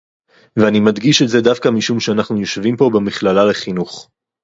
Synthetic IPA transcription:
veanimad̪ɡiʃetze̞d̪afkamiʃumʃeanaχnujoʃvimpo̞bemiχlalaleχinuχ

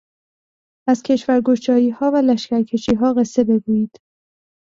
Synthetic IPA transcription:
æzcʰe̞ʃvæɾɡo̞ʃt͡ʃɒːjiːhɒːvælæʃcæɾcʰe̞ʃiːɦɒːɣe̞sːe̞be̞ɡuːjiːd̪̥

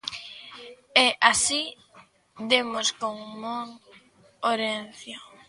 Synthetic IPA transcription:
ɛʔasi | d̪emoskoŋmoŋ | oɾen̟θjo

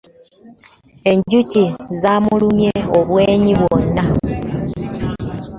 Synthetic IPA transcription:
e̞ɲɟucizamulumjeoβweːɲiβwonːa

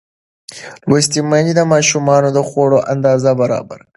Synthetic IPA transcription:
wəst̪imanid̪əmɑʃumɑnod̪əxoɽoʔand̪ɑːzabaɾɑ̰ba̰ɾ

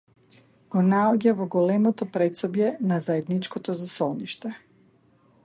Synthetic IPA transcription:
ɡ̥ɔnaɔɟavɔɡɔlɛmɔt̪ɔpɾɛt̪sɔbjɛnazaɛd̪nit͡ʃkɔt̪ɔzasɔlˠniʃt̪ɛ

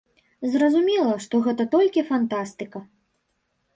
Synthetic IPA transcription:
zrɐzumʲɛlˠɐʂt̪ɔɣɛt̪ɐt̪ɔlʲkʲifant̪ast̪ɨkɐ

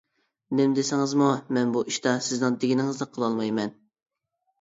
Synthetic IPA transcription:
nɪmd̪ɪsɪŋɨzmumɛnbuʔiʃt̪ɑsɪznɪŋd̪eɡʲinɪŋɨzd̪ɑqʰəlˠɑlˠmɑjmɛn

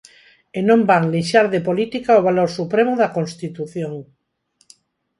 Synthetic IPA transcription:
enõmbaŋliʃaɾðepolit̪ikaoβ̞aloɾsupɾemʊðakõnst̪it̪uθjoŋ

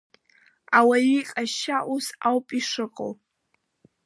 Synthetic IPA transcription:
awajiqʼaʃaʔusawpʼiʂɨqʼo̰w

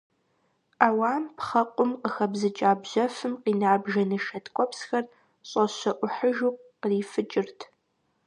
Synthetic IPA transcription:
aːwaːmpχɐqʷʼʊmqəxɐbzɨt͡ʃʼaːbʑɐfɨmqiːnaːbʒɐnɨʃɐtʰkʷʼɔpsxɐr | ɕʼɐɕɐʔʷʊħəʒuːqqəriːfɨt͡ʃʼɪrtʰ

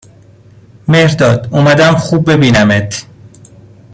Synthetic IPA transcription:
mehɾd̪ɒːd̪omæd̪æmxuːb̚ːe̞biːnæmet̪ʰ

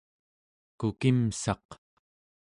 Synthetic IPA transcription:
kukimsɑq

